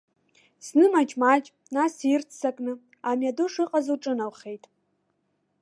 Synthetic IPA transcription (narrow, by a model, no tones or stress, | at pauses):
snɨmat͡ʃʼmat͡ʃʼ | nasirt͡sʰsakʼnɨ | amjaduʂɨqʼazuʈ͡ʂʼɨnawχe̞jtʼ